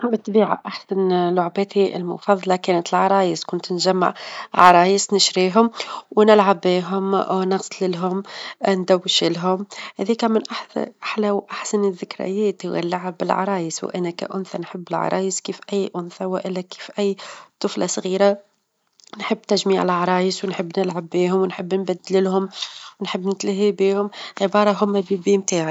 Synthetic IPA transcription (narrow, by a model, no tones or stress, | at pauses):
ʔbət̪biːʕa̰ʔaħsanlʊʕbæːt̪ʰiʔɪ̰lmʊ̰fɑðˤːɑlɑkɛːnət̪ɪlʕɑɾˤɑːjəskʊnt̪nʒæmːa̰ʕʕɑɾˤɑːjəsnɪʃɾiːɦʊmwnɪlʕabiːɦʊmnɑqsˤlɪlɦʊmnd̪æwːʃɪlɦʊmhæðiːkæmɪnʔaħʔaħlæwʔaħsanəðːɪkɾɪ̰jæːt̪ɣæ̰lːaʕabɪlʕɑ̰ɾˤɑːjəsw̰ʔænːækæ̰ʔʊnθanħəbːɪlʕɑ̰ɾˤɑ̰ːjəskiːfʔæjːʔʊnθawʔɪlːækiːfʔæjːt̪ˤʊflasˤɣiːɾa | nħəbːt̪æʒmiːʕɪlʕɑɾˤɑːjəswnħəbːnɪlʕabːiːɦʊmwnħəbːnbæd̪ːlɪlhʊmwnħəbːnɪt̪lɪɦibiːhʊmʕɪbɑːɾˤɑɦʊmːæbibiːmt̪aːʕi